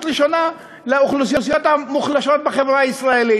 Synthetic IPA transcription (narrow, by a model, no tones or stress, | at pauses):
t̪ʁiʃona | leuχlusijosijot̪hamuχlaʃot̪̚beχevʁaaisʁaeli